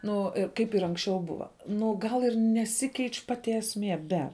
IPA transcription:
ˈnʊ ɪr ˈkɐɪp ɪr ˈɐŋksʲˌt͡ʃʲɛʊ ˈbʊʋɐ ˈnʊ ɡɐlˠ ɪr nʲɛˈsʲɪkʲɛɪt͡ʃʲ ˈpɑːtʲɪ ɛsʲˈmʲiɛ ˈbʲɛ

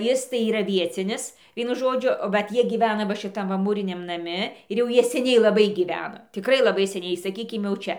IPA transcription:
ˈjɪs tɐɪ iːˈrɐ ˈʋʲiɛt͡sʲɪnʲɪs ˈʋʲiɛnʊ ˈʒoːd͡ʒʲʊ ˈʋɐt ˈjiɛ ɡʲiːˈʋʲæːnɐ ʋɐ ʃʲɪˈtɐm ʋɐ ˈmuːrʲɪnʲɛm nɐˈmʲɪ ɪr jɛʊ ˈjiɛ sʲɛˈnʲɛɪ lˠɐˈbɐɪ ɡʲiːˈʋʲæːnɐ tʲɪkˈrɐɪ lˠɐˈbɐɪ sʲɛˈnʲɛɪ sɐˈkʲiːkʲɪm jɛʊ ˈt͡ʃʲɛ

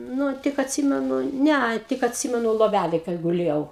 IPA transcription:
ˈnʊ tʲɪk ɐtʲˈsʲiːmʲɛnʊ ˈnʲɛɐ tʲɪk ɐtʲˈsʲiːmʲɛnʊ lˠoːˈʋʲælʲeːj kɐɪ ɡʊˈlʲeːjɛʊ

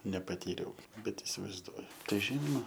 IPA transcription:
nʲɛpɐˈtʲiːrʲɛʊ ˈbʲɛt ɪsʲɪʋɐɪzˈduɔjʊ ˈtɐɪ ˈʒʲiːnoːmɐ

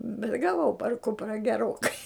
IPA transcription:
bʲɛt ɡɐˈʋɐʊ pɐr ˈkʊprɐ ɡʲɛˈroːkɐɪ

